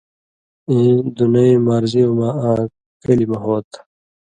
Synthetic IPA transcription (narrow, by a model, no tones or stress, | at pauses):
ĩːd̪unɐĩmaɾziomaaː | kɐlimɐɦoːt̪